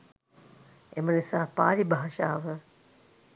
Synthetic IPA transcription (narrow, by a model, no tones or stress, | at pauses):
emənisaːpaːlibaɦɐʃaːʋə